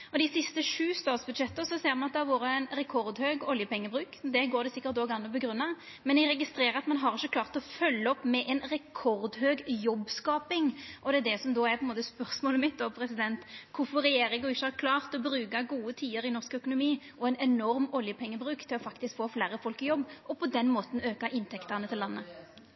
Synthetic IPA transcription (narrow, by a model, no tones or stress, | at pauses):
ɔd̪ɪsɪst̪əʂʉːst̪ɑːt̪sbʉd̪ʃɛt̪ːəsɔseːɾmɑnɑt̪d̪ɛhɑɾʋoːɾəɛnɾɛkʰɔɾd̪høːɡɔljəpʰɛŋːəbɾʉːkd̪ɛɡoːɾd̪ɛsɪkːəɾt̪oːɡɑnːəɔbəɡɾʉnːɑ | mɛnjɛɾɛɡɪst̪ɾeːɾəɑt̪mɑnɦɑɾɪçːəkʰlɑːʁt̪ɔfœlːəɔpːmɛʔɛnɾɛkʰɔɾd̪ɦøːɡjɔbːskɑːpɪŋʔɔd̪ɛæd̪ɛsɔmd̪oːæɾpʰɔɛnmoːt̪əspœʁsmoːləmɪt̪̚d̪oːpʰɾɛsɪd̪ɛnt̪kʰʊɾfɔɾːɛjeːɾɪŋʊɪçːəhæɾkʰlɑːʁt̪ɔbɾʉːkɑɡuːət̪ʰiːəɾɪnɔskœkʊnʊmiːʔɔɛnɛnɔɾmɔljəpʰɛŋːəbɾʉːkt̪ʰɪlɔfɑkt̪ɪskfoːfleːɾəfɔlkɪjɔbːʔɔpʰɔd̪ɛnmoːt̪n̩øːkɑʔɪnt̪ʰɛkt̪əʁnət̪ʰɪlːɑnːə